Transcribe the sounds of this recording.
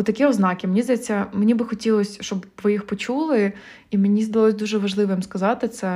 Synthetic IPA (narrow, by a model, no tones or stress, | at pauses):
ɔt̪ɐkʲiɔznɑkʲɪmenʲizd̪ɐjɛt͡sʲːɐmenʲibɨxɔtʲilˠɔsʲʃt͡ʃɔbʋɪjixpɔt͡ʃulˠɪ | imenʲizd̪ɐlˠɔsʲd̪uʒɛʋɐʒlˠɪʋɨmskɐzɑt̪ɪt̪sɛ